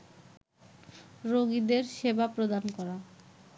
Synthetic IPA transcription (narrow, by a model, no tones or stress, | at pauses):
ɾoɡid̪eɾʃebapɾod̪ankɔɾa